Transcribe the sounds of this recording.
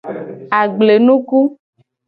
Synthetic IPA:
a˨ɡ͡ble˨nũ˦ku˦

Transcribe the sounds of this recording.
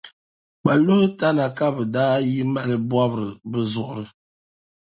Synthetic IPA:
k͡pa˨lo˦hta˦na˨ka˦bə˨daː˦ji˦ma˦˨lə˨bwa˦bɾə˨bə˦zɔ˨ʔɾə˨

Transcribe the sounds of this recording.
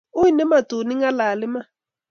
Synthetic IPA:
ʊ˦i˦˨nɛ˦ma˨tu˨ni˦ŋa˦la˨lɪ˦ma˦

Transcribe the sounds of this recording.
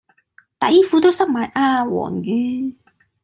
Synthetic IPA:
t̪a˨˧jiː˥fuː˨˥t̪o˥wsɐ˥k̚maː˨jʔaː˧wɔ̰ː˨˩ŋjyː˧

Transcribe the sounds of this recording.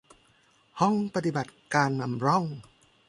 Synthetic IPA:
hɔ˥˩ŋpa˧t̪i˨˩ba˨˩t̪̚kaː˧nːa˧mɾɔ˥˩ŋ

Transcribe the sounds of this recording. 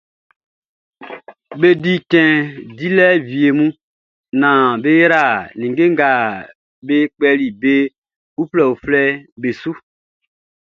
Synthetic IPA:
be˦di˦kɛ̃˨di˦lɛ˦vi˨e˨mũ˦ | nã˨be˦jɾa˨nĩ˨ŋɡe˦ŋɡa˨ | be˦k͡pɛ˦li˨be˦ | u˦plɛ˨u˨flɛ˦be˨su˦

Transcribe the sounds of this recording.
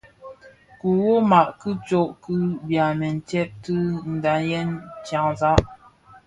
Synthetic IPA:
ku˨wo˦ma˨ʔkɨ˦t͡ʃo˦ʔku˦bja˨mɛ˨n̩˨tɛ˦p̚tɨ˦n̩˨da˨˦jɛ˦nt͡ʃja˨ŋza˦ʔ

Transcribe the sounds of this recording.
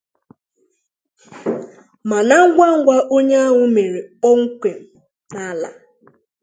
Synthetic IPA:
ma˨na˦ŋ̩˦ɡʷa˦ŋ̩˦ɡʷa˦ʔo˦ɲ˦a˦ɦʊ˦me˨ɾe˨ɔ˦ŋ̩˦kʷe˨m̩˨ | na˦la̰˨

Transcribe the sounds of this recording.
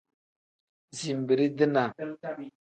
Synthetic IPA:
zi˨m˨bə˨ɾi˦də˦na˨

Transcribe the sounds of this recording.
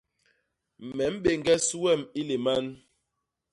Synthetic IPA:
m̩˨mɛ˨˦m̩˦ɓe˨ŋ˨ɡɛ˦su˦wɛ˦˨mi˦le˨ma˦n

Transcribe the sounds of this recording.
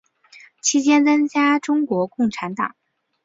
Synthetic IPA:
t͡ɕʰi˥t͡ɕjɛ˥nt͡sə˥ŋt͡ɕja˥ʈ͡ʂʊ˥ŋkwɔ˧˥kʊ˥˩ŋʈ͡ʂʰa˧˥nt̪ɑ̰˨˩˦

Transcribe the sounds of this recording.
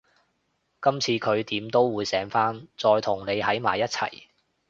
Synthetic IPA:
kɐ˥mt͡sʰiː˧kʰɵ˨˧ɥt̪iː˨˥mt̪o˥wːuː˨˧jsɛː˨˥ŋfaː˥nt͡sɔː˧jt̪ʰʊ˨˩ŋne˨˧jhɐ˨˥jma̰ː˨˩jɐ˥t̚t͡sʰɐ̰˨˩j

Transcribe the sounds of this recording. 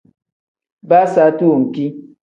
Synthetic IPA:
ba˦sa˨˦tu˦˨ŋ̩˨ki˦

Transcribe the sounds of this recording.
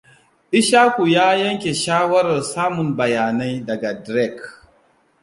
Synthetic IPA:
ɗɪ˦ʃaː˦kʷu˨jaː˦jɐ˦ŋkʲe˨ʃaː˦wɐ˦ɾɐ˨rsaː˦mʊ˨mbɐ˨jaː˨na˦jdɐ˨ɡa˨dɾɛ˦˨k

